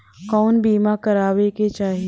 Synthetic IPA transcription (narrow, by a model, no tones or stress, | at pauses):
kɔːnbiːmakɐɾaːʋeket͡ʃaːɦi